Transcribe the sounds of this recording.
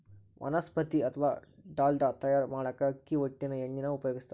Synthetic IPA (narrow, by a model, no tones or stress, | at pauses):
mʔɐ̰nɐspɐt̪iɐt̪ʰɐʋaːɖaːlɖat̪ɐjaːɾmaːɽaːkːɐɐkːiʋɐʈːinɐeɳːinɐupɐjoɡist̪a